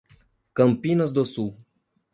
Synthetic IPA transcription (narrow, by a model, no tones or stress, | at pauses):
kɐmpinas̬d̪osu